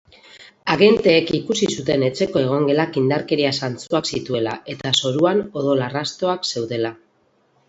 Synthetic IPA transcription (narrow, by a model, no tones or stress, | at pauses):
aɣe̞nt̪e̞ːkikusisut̪e̞ne̞t͡se̞ko̞e̞ɣ̞o̞ŋɡe̞lakind̪aɾke̞ɾiasant͡suaksit̪ue̞lae̞t̪aso̞ɾuano̞ðo̞larast̪o̞akse̞wðe̞la